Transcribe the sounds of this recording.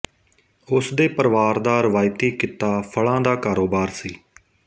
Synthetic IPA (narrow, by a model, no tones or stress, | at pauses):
ʊsd̪eːpəɾʋaːɾd̪aːɾəʋaːɪt̪iːkɪt̪aːpʰəɭãːd̪aːkaːɾoːbaːɾsiː